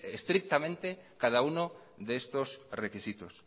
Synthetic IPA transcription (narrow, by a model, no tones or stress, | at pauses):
est̪ɾik̚t̪amẽnt̪ekað̞auno | ðest̪osrekisit̪os